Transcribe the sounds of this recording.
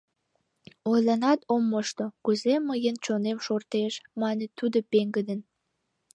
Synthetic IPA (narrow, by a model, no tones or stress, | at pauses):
ojlɑnɑt̪omːoʃt̪okuzeməjənt͡ɕonemʃort̪eʃmɑnət̪ud̪opeŋɡəd̪ən